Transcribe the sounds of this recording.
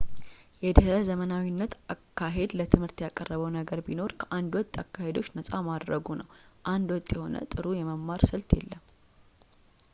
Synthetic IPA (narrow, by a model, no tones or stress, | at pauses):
jɛd̪ɨhəzəmənawinːət̪akːaɦe̞d̪lət̪ʰɨmhɨɾt̪jakʼərːəβəwnəɡəɾbino̞ɾkʰəʔand̪wɔt̪ʼːakʰːahe̞d̪o̞t͡ʃːnəsʼamad̪ɾəɡunəwʔand̪wɔt̪ʼːjɛho̞nə̰t̪ʼɨɾujɛməmːaɾsɨlt̪jḛlːəm